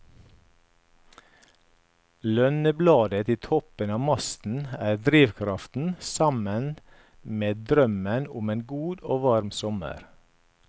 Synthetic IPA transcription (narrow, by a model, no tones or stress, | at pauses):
lœnəblɑːd̪ət̪ɪːt̪ʰɔpənɑːmɑst̪n̩æːɾd̪ɾiːʋkʰɾɑft̪n̩sɑmən | meːd̪ɾœmənʊmeːnɡuːd̪oːʋɑɾmsɔmə̰ɾ